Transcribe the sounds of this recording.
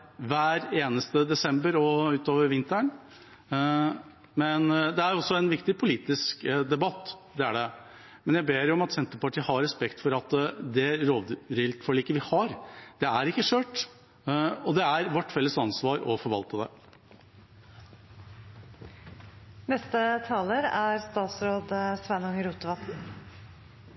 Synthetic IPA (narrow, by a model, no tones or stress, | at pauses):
ʋæːɾeːnəst̪əd̪ɛsɛmbəɾɔʉːt̪oːʋəɾʋɪnt̪əɳ | mɛnd̪ɛæɾɔsːɔɛnʋɪkt̪ɪpʰʊliːt̪ɪskd̪ɛbɑt̪ːd̪ɛæɖɛ | mɛnjæbeːɾjʊɔmɑt̪sɛnt̪əpɑʈʰiːəhɑɾːɛspɛkt̪fɔɾɑt̪d̪ɛɾoːʋ̪ɾɪlt̪fɔɭiːkəʋɪhɑɾd̪̥ɛæɾɪkːəʂøːʈ | ɔd̪ɛæɾʋɔʈːfɛlːəsɑnsʋɑːɾɔfɔɾʋɑ̰lt̪əd̪ɛ̰ | nɛst̪ət̪ʰɑːləɾæɾst̪ɑːt̪sɾoːd̪sʋɛnʊŋəɾuːt̪əʋɑt̪n̩